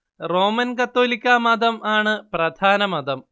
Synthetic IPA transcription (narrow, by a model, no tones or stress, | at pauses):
ro̞ːmɐnkɐt̪ːoːlikʲːaːmɐd̪ɐmaːɳɨprɐd̪ʱaːnɐmɐd̪ɐm